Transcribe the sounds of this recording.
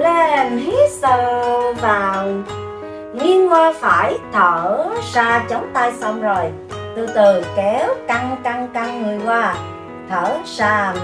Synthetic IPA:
lɛ˧˨˩nhi˨˦˥sɨ˧˨vaː˨˩w | ŋi˧ənwwaː˧faː˧˩jt̪ʰəː˧˩saː˧t͡ɕə˨˦wŋ͡mt̪aː˧jsə˧wŋ͡mzo˨˩j | t̪u˧jt̪ɨ˨˩kɛ˨˦wka˧ŋka˧ŋka˧ŋŋɨ˨˩əjkwaː˧ | t̪ʰəː˧˩saː˧

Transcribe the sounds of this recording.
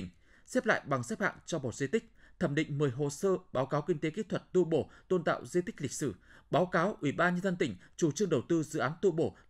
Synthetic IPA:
ŋ̟ | sɛ˦˥p̚la̰ː˧˨jɓa˨˩ŋsɛ˦˥p̚ha̰ː˧˨nt͡ɕɔ˧mo˨˩t̚zi˧t̪ï˦˥k̟̚t̪ʰə˧˩mɗḭ̈˧˨ŋ̟mɨː˨˩əjɦo̰˧˩səː˧ɓaː˨˦wkaː˨˦wkï˧ŋ̟t̪e˨˦ki˦˥t̪ʰwə˨˩t̚t̪u˧ɓo˧˩t̪o˧nt̪a̰ː˧˨wzi˧t̪ï˦˥k̟̚lï˨˩k̟̚sɨ˧˩ɓaː˨˦wkaː˨˦wʔwi˧˩ɓaː˧nɲə˧nzə˧nt̪ï˧˩ŋ̟t͡ɕu˨˩t͡ɕɨ˧əŋɗə˨˩wt̪ɨ˧zɨ̰˧˨ʔaː˨˦nt̪ṵ˧ɓo̰˧˩

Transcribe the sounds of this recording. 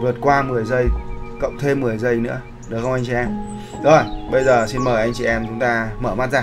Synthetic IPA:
vɨ˨˩t̚kwaː˧mɨ˨˩əjzə˧jkə̰˧˨wŋ͡mt̪ʰe˧mːɨ˨˩əjzə˧˩jnɨ̰˧˥ə | ɗɨ˨˩kxə˧wŋ͡mʔa˧ŋ̟t͡ɕi˨ʔɛ˧m | zo˩˧˩jɓə˧jzəː˨˩si˧nməː˨˩jʔa˧jŋt͡ɕḭ˨ʔɛ˧mt͡ɕʊ˨˦ŋ͡mt̪aː˧məː˧˩ma̰ː˧˥t̚zaː˨˩

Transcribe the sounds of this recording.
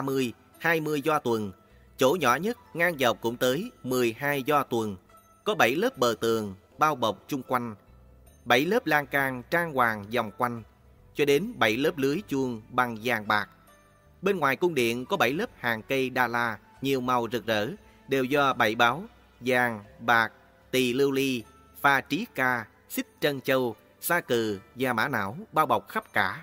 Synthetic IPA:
a˧mɨ˧əj | haː˧jmɨ˧əjzɔ˧t̪wə˨˩n | t͡ɕo̰˧˥ɲɔ̰˧˥ɲə˦˥t̚ŋaː˧ŋza˨˩w̚kʊ̰˧˥ŋ͡mt̪əː˨˦jmɨ˨˩əjhaː˧jzɔ˧t̪wə˨˩n | kɔ˨˦ɓə˧˩jləː˦˥p̚ɓəː˨˩t̪ɨ̰˨əŋ | ɓaː˧wɓə˨˩wk͡p̚t͡ɕʊ˧ŋ͡mkwa˧jŋ̟ | ɓə˧˩jləː˦˥p̚laː˧ŋkaː˧ŋt͡ɕaː˧ŋkwaː˨˩ŋza˨˩wŋ͡mkwa˧jŋ̟ | t͡ɕɔ˧ɗe˨˦nɓə˧˩jləː˦˥p̚lɨ˨˦əjt͡ɕu˧əŋɓa˨˩ŋzaː˨˩ŋɓaː˨˩k̚ | ɓe˧nŋwaː˨˩jkʊ˧ŋ͡mɗḭ˧˨ənkɔ˨˦ɓə˧˩jləː˦˥p̚haː˨˩ŋkə˧jɗaː˨˩laː˧ | ɲi˨˩əwma˨˩wzɨ˨˩k̚zə̰ː˧˥ | ɗe˨˩wzɔ˧ɓə˧˩jɓaː˨˦w | zaː˨˩ŋɓaː˨˩k̚ | t̪i˨˩lɨ˧wli˧ | faː˧t͡ɕi˨˦kaː˧ | si˦˥k̚t͡ɕə˧nt͡ɕə˧w | saː˧kɨ˨˩zaː˨˩ma̰ː˧˥na̰ː˧˥˨wɓaː˧wɓə˨˩wk͡p̚xa˦˥p̚kaː˧˩

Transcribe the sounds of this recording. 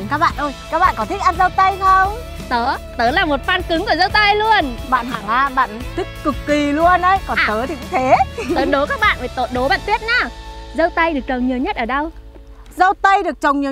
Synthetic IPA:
kaː˦˥k̚ɓa̰ː˧˨nʔo˧˩jkaː˦˥k̚ɓa̰ː˧˨kɔ˨˦t̪ʰi˦˥k̟̚ʔaː˧n̚zə˧wt̪ə˧jsə˧w | t̪əː˨˦t̪əː˨˦laː˨˩mo˨˩t̚faː˧nkɨ˨˦ŋku˧˩zə˧wt̪ə˧jlu˧ənɓa̰ː˧˨nhaː˧˩ŋaː˧˩ɓa̰ː˧˨nt̪ʰï˦˥k̚kɨ˨˩kːi˨˩lu˧ənə˧jkɔ˨˩nt̪əː˨˦t̪ʰi˨˩kṵ˧˥t̪ʰe˨˦ə˨˦ɗo˨˦kaː˦˥k̚ɓa̰ː˧˨nvaː˨˩jt̪o̰˧˨nɗo˨˦ɓa̰ː˧˨nt̪wi˦˥ət̚na˨˦zə˧wt̪ə˧jɗɨ˨˩ək̚t͡ɕə˨˩wŋ͡mɲi˨˩əwɲə˦˥t̚ʔəː˧˩ɗə˧w | zə˧wt̪ə˧jɗɨ˨˩ək̚t͡ɕə˨˩wŋ͡mɲi˨˩

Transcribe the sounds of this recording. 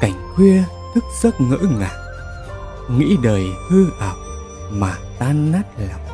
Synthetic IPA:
ka˨˧˩jŋ̟kwi˧ə | t̪ʰɨ˦˥k̚z̥ə˦˥t̚ŋə̰ː˧˥ŋa̰ː˨˩ | ŋḭ˧˥ɗəː˨˩jhɨ˧ʔ̪a˨˩k͡p̚ | maː˨˩t̪aː˧nːaː˦˥t̚la˨˩m

